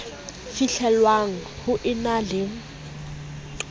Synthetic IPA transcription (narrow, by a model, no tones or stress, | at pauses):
fiɬɛlwaŋ̩hʊʔɪnalɪŋ̩